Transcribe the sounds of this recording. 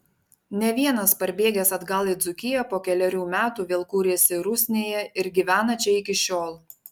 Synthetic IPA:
nʲɛʋʲiɛnɐspɐɾʲbʲeːɡʲɛsɐd̪ɡɐlˠɪd̪zʊkʲɪjɛpoːkʲɛlʲɛɾʲuːmʲæːt̪uːʋʲeːlˠkuːɾʲeːsʲɪɾʊsʲnʲeːjɛɪɾɡʲiʋʲæːnɐt͡ʃʲɛɪkʲɪʃʲoːlˠ

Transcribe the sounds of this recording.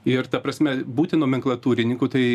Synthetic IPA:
ɪrt̪ɐpɾɐsʲmʲɛbuːt̪ʲɪnoːmʲɪŋklˠɐt̪uːɾʲɪnʲɪŋkut̪ɐɪ

